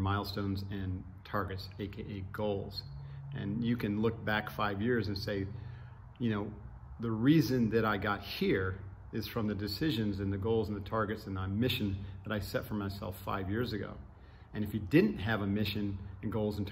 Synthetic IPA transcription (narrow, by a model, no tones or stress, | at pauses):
maɪlˠstõʊ̃nzɨ̃n | tʰɑɹɡɨtseɪkʰeɪʔeɪɡ̥oʊlˠz̥ʔɨ̰̃njɨkɨ̃nlʊk̚b̥ækfaɪvjɪɹzɨ̃nseɪ | jɨnoʊ | ðɨɹizɨ̃nðɨɾaɪɡɑt̚hiɹ | ɪz̥fɹʌ̃mðɨdɨsɪʒɨ̃nzɨ̃nðɨɡoʊlˠzn̩ðɨtʰɑɹɡɨtsɨ̃nðəmɪʃɨ̃nðəɾaɪsɛtfə˞maɪsɛ̰lˠfa̰ɪvjɪɹzɨɡo̰ʊ | ɨ̃nɨfjɨdɪdⁿn̩tɦɨvəmɪʃɨ̃nɨ̃nɡoʊlˠzn̩tʰ